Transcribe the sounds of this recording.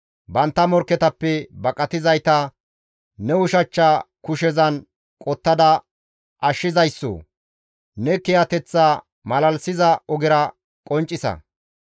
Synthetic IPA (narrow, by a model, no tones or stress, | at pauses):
bɐnt̪ːɐmɔɾkːɛt̪ɐpːɛbɐkʼːɐt̪ɪzɐjt̪ɐ | nɛʊʃɐt͡ʃːakʊʃɛzɐn | kʼɔt̪ːɐd̪ɐ | ʔɐʃːɪzɐjsːo̰ː | nɛkɛjɐt̪ɛt͡sːaː | mɐlɐlsɪzɐɔɡɪɾɐ | kʼɔnt͡ʃʼːɪsɐ̰